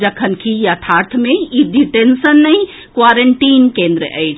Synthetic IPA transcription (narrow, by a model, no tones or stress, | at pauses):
d͡ʒəkʰənkʰiət̪ʰaɾt̪ʰmeiɖiʈensənːəj | kʋaɾəɳʈiːnkẽnd̪ɾə̰ʔə̰jt͡ʃʰ